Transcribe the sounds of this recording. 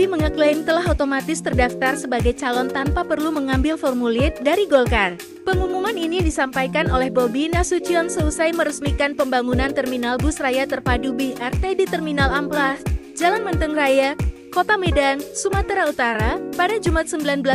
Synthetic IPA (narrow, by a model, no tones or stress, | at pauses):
biməŋəklamt̪əlaɦot̪omat̪ɪst̪ərdaft̪arsəbaɡajt͡ʃalɔnt̪ampapərluməŋambɪlfɔrmulɪt̪̚daɾiɡolkar | pəŋumumaninidisampajkanolɛhbobinasut͡ʃiansəusajməɾəsmikanpəmbaŋunant̪ərminalbusrajat̪ərpadubihʔɛrt̪ɛdit̪ərminalamplasd͡ʒalanmənt̪əŋraja | kot̪amedansumat̪ɾaut̪aɾapadad͡ʒumat̪̚səmbilanbəla